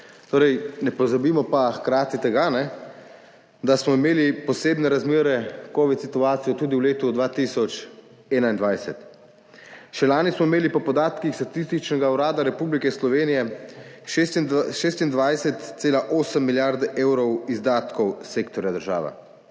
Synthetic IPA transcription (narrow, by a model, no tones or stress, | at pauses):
t̪oːɾɛjnɛpɔzabiːmɔpaxkɾaːt̪it̪ɛɡanɛ | d̪asmɔimeːlipɔseːbnɛɾazmeːɾɛkɔːʋit̪sit̪uaːt̪sijɔt̪uːd̪iwleːt̪ud̪ʋaːt̪isɔt͡ʃ | ɛːnaind̪ʋajsɛt̪ | ʃɛlaːnismɔimeːlipɔpɔd̪aːt̪kixst̪at̪ist̪it͡ʃnɛɡauɾaːd̪aɾɛpublikɛslɔʋeːnijɛ | ʃʃeːst̪ind̪ʋajsɛt̪seːlaʔoːsəmːiljaɾd̪eːwɾɔwizd̪aːt̪kɔwseːkt̪ɔɾjad̪əɾʒa̰ːʋɛ̰